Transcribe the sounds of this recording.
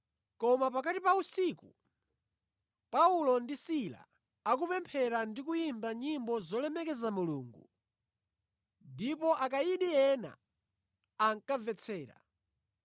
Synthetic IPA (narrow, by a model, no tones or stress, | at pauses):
kɔmap̬akatipausiku | paulɔndisila̰ | ak̬upɛmpʰɛɾandik̬ujimbaɲimbɔzɔlɛmɛkɛzamuluːŋɡu | ndipɔʔakaiɗiɛna̰ | aŋkavɛt͡sʰɛːɾa̰